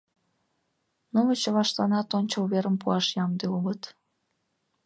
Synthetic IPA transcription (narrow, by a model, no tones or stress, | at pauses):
numət͡ɕəβɑʃt̪ɑnɑt̪onʲt͡ɕolβeɾəmpuɑʃjɑmd̪eulət̪